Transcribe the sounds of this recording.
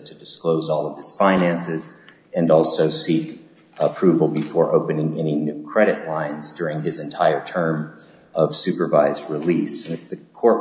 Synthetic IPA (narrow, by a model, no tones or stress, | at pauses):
tʰɨdɨskloʊzɔlˠʌv̥ɨz̥fãɪ̃næ̃nsɪz | ɨ̃nɔlˠsoʊsik | əpʰɹ̥ʉvl̩ˠbɨfɔɹʔoʊpɨnɪ̃ŋɛnɪiŋnʉkʰɹ̥ɛɾɨʔˡlãɪ̃nzdʊɹɪ̃ŋɪzɨ̃ntʰaɪə˞tʰɜ̃˞m | ʔʌv̥sʉpə˞vaɪzdɹɪlisɨ̃nɨfðɨkʰɔɹt̚